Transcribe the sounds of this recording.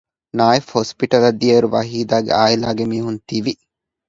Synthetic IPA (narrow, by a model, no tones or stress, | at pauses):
naːefospiʈɐlɐd̪ijɐɾuʋɐɦiːd̪aːɡḛaːilaːɡemiːɦunt̪iʋi